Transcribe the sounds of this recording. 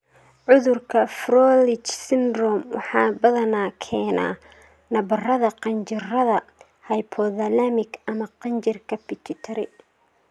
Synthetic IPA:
ʕʊðʊrkʰɐfrɔlɪt͡ʃsɪnrɔmwɑ̰ħɑːbɐðɐnaːkʰɛːna̰ː | nɐbɐrɐðɐqɑnt͡ʃɪrɐðɐ | hɐjpʰɔðɐlɐmɪɡɐmɐqɑnt͡ʃɪrkʰɐpɪt̪ʰɪt̪ʰɐɾɪ̰

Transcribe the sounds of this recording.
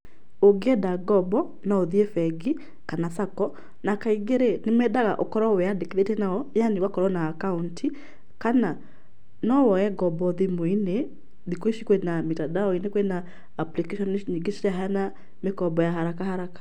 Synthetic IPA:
oɡɛdaɡɔbɔ | naoðiefɛɡi | kanasakɔ | nakaiɡeɾenemɛdaɣa̰ʔokɔɾɔwɛadekeðetɛnaɔjaniwakɔɾɔnaːkauntʰi | kana | nɔwɔɛɡɔbɔðimoine | ðikweʃikwenamitadaɔinekwenaː | plikeʃɔnɲiɡeʃaɦana | mekɔbɔjahaɾakahaɾakḁ

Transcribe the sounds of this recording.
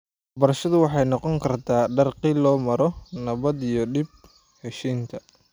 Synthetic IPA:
wɑħbɐɾɐʃɐðʊwɑħɑjnɔqɔŋkʰɐrt̪ʰaːɖɐrqiːlɔːmɐɾɔnɐβɐd̪ijɔɖɪb̚ | hɛʃiːnt̪ʰɐ

